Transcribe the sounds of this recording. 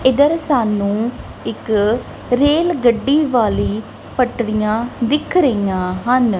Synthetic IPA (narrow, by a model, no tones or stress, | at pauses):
ɪd̪əɾsaːnũː | ɪk | ɾeːlɡəɖːiːʋaːliː | pəʈɽijãːd̪ɪkʰɾəijãːɦən